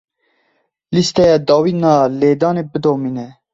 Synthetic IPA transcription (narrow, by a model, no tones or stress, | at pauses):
list̪ɛjɑd̪ɑːwiːnɑːleːd̪ɑːnebɨd̪oːminɛ